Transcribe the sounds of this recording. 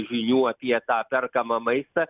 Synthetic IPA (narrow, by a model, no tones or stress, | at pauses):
ʒʲɪɲʲuːɐpʲɪjɛt̪aːpʲɛrkɐmɐmɐɪst̪ɐ